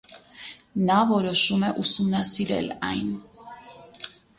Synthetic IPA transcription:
navɔɾɔʃumɛʔusumnasiɾɛ̰la̰jn

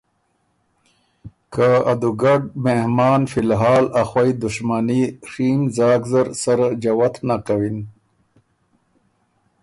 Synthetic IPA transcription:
kaad̪uɡaɖ̚mehmɑːnfilɦɑːlaxwajd̪uʂmaniʂiːmzaːɡzaɾsaɾad͡ʑawat̪ʰnakawin

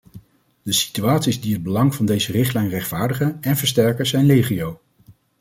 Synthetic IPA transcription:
d̥əsi̥tyaːtsizdiɦəd̚bəlɑŋvɑndejzərɪχtlɛjnrɛχtfaːɹdəχənɛnvəɹstɛɹkəzɛjnlejχiow

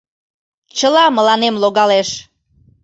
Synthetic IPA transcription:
t͡ɕəlɑməlɑnemloɣɑleʃ

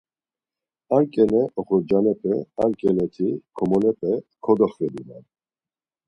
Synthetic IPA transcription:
aɾkʼɛnɛʔɔχɔd͡ʒanɛpʰʼɛaɾkʼɛnɛt̪ʰikʰɔmɔnɛpʰʼɛkʰɔd̪ɔχvɛd̪inan

